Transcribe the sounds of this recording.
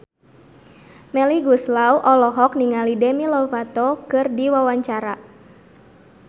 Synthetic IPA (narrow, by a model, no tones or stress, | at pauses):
mɛliɡuslauʔɔlɔɦɔkniŋalidɛmilɔfat̪ɔkɨrdiwawaɲt͡ʃaɾa